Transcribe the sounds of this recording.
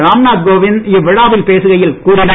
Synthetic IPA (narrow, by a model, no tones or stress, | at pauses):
ɾaːmnaːd̪̚ɡoːʋɪnɪʋːɪɻaːʋɪlpeːsɯɣɐjɪlkuːɾɪnɐ